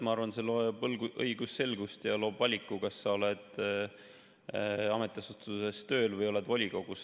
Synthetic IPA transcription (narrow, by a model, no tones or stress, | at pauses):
mɑɑrvɑnseloeblɡuʔɤiɡusːe̞lɡ̥ust̪jɑlo̞ːbvɑlʲikːˑukɑsːɑo̞le̞d̪̥ | ɑme̞t̪ːˑesut̪suse̞st̪ø̞ːlvɤjo̞le̞d̪vɑlʲiɡ̥o̞ɡ̥us